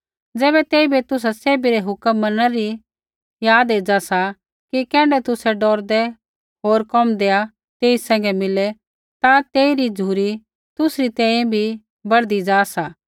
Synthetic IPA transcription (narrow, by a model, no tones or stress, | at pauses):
d͡zɛːbɛt̪eːibet̪ʊs̬aseːbiɾɛɦʊkəmːɐnaɾi | jaːd̪eːd͡ʒasa | kikɛ̃ːɽɛt̪ʊsɛɖɔːɾd̪ɛ | ɦoːɾkɔmd̪eːa | t̪eːisɛ̃ːŋɡɛmɪlɛ | t̪at̪eːiɾid͡zʱuːɾi | t̪ʊsɾit̪ɛ̃ːẽbʱi | bɐɽd̪id͡ʒaːsaː